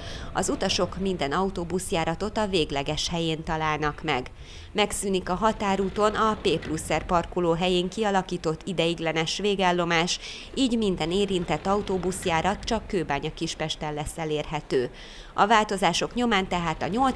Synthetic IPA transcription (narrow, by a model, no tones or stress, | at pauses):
ɒ̰zut̪ɒʃo̞kmind̪ɛnɒut̪oːbusjaːɾɒt̪o̞t̪ɒveːɡlɛɡɛʃhɛjeːnt̪ɒlaːlnɒkmɛ̰ɡ | mɛksyːnikɒɦɒt̪aːɾuːt̪o̞nɒpeːplusːɛrpɒrkuloːɦɛjeːŋkiɒlɒkiːt̪o̞t̪ːid̪ɛjiɡlɛnɛʃʋeːɡalːo̞maːʃ | iːɟmind̪ɛneːɾint̪ɛt̪ːɒut̪oːbusjaːɾɒt̪t͡ʃɒkːøːbaːɲɒkiʃpɛʃt̪ɛlːɛsːɛleːrɦɛt̪øː | ɒvaːlt̪o̞zaːʃo̞kɲo̞maːnt̪ɛɦaːt̪ɒɲo̞l